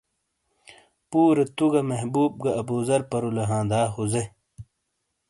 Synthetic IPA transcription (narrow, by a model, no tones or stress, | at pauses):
puːɾɐt̪uɡɐmɐɦbuːb̚ɡɐɐbuːzɐɾpɐɾulɐɦãːd̪aːɦuze